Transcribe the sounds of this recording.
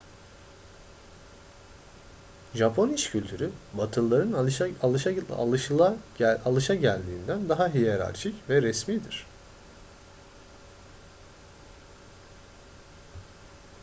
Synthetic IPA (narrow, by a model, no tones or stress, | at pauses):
ʒapʰo̞niʃcʰylʲt̪ʰyɾybat̪ʰɯlˠːaɾɯnˠ | lˠɯʃlˠaalˠɯʃaɟælʲd̪iːnd̪ænd̪aɦaɦijeɾa̰ɾt͡ʃʰicvɛɾɛsmiːd̪iɾ̝̥